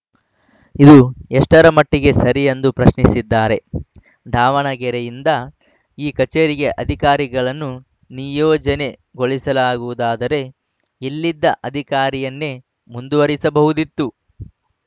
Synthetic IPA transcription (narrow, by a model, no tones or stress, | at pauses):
id̪uɛʂʈɐɾɐmɐʈːiɡe̞sɐɾijend̪upɾɐʃɳisid̪ːaːɾe̞ | ɖ̪ʱaːʋɐɳɐɡɛɾejind̪ɐ | iːkɐt͡ʃeːɾiɡe̞ʔɐd̪ʱikaːɾiɡɐɭɐnːu | nijɔːd͡ʒɐne̞ɡo̞ɭisɐlaːɡuʋud̪aːd̪ɐɾe̞ | ilːid̪ːɐʔɐd̪ʱikaːɾijɐnːe̞ | mund̪uʋɐɾisɐbɐɦud̪it̪ːu